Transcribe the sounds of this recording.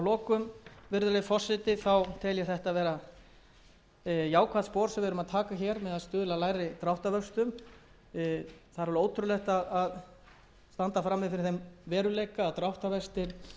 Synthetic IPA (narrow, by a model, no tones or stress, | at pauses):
lɔːkʏmvɪɾðʏlɛfɔr̥sɪt̪ɪθawt̪ʰɛljɛθɛht̪avɛːɾa | jaːwkʰvaðspɔːɾ̥sɛvɪʏɾʏmaðt̪ʰaːkaçɛɾmɛðaðst̪ʏːðʏlalaːjɾɪt̪ɾawht̪avœst̪ʏm | θaðɾɛɾoːwt̪ʰɾʏlɛht̪aðað | st̪ant̪afɾamːɪðɪfɪɾɪɾ̥θejmvɛːɾʏleːjkaːðt̪ɾawht̪avɛst̪ɪɾ